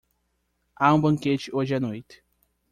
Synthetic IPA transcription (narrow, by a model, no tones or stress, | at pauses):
aũbɐ̃ŋket͡ʃɪʔoʒɪanojt̪ɪ̥